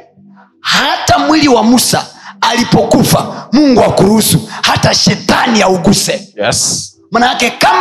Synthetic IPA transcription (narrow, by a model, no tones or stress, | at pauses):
hatamwiliwamusa̰ːlipɔkufa̰muŋɡuakuɾusuhataʃɛtaniauɡusɛ | manajakɛkam